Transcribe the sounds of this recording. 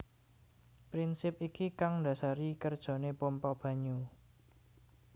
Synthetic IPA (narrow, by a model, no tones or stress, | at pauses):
pɾinsɪp̚ikikaŋda̤saɾikərd̥ʒ̥o̤nepɔmpɔb̥ä̤ɲu